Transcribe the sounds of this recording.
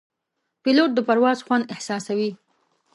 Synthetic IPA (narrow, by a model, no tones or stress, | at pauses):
piloʈ̚d̪əpaɾwɑzxwand̪ɪhsɑsawi